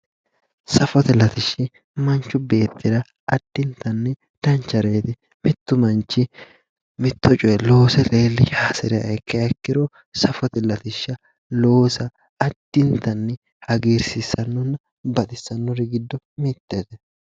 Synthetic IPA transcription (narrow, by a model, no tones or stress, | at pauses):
sɐfɔt̪ɛlɐt̪ɪʃːɪ | mɐnt͡ʃːʊbe̞ːt̪ːɪd̪ɐ | ɐd̪̥ːɪnt̪ɐnːɪ | d̪̥ɐnt͡ʃːɐɾeːt̪ɪ | mɪt̪ːʊmɐnt͡ʃːɪ | mɪt̪ːɔt͡ʃʼʊjɛlo̞ːsɛleːlːɪʃaːsɪɾɪjɐ̰ʔɛkːɛɛkːɪɾo | sɐfɔt̪ɛlɐt̪ɪʃːɐ | lo̞ːsɐː | d̪̥ːɪnt̪ɐnːɪ | hɐɡiːɾsɪsɐnːɔnːɐ | bɐt̪ɪsːɐnːɔɾɪɡɪd̪ːɔ | mɪt̪ːeːt̪ɛ